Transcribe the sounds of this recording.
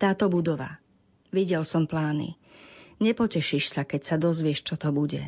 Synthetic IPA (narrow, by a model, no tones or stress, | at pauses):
t̪aːt̪ɔbud̪ɔʋa̰ | ʋiɟɛlsɔmplaːnḭ | ɲɛpɔcɛʃiʃsakɛcsad̪ɔzʋɪɛʃt͡ʃɔt̪ɔbuɟɛ̰